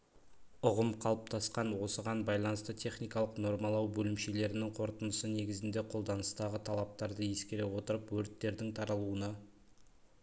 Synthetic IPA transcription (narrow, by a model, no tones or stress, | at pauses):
ʊʁəmqʰɑlˠəp̚t̪ʰɑsqɑnwo̞səʁɑnbɑjlˠɑnəst̪ət̪ʲʰe̞χnijkɑlˠəqno̞ɾmɑlˠɑwbɵlɪmʃe̞le̞ɾɪnɪŋqʰo̞ɾt̪ənəsəne̞ɡʲɪzɪnd̪e̞qʰo̞lˠd̪ɑnəst̪ɑʁət̪ʰɑlˠɑp̚t̪ɑɾd̪əje̞skʲe̞ɾe̞wo̞t̪əɾəpwɵɾɪt̪ːe̞ɾd̪ɪŋt̪ʰɑɾɑlˠuənɑ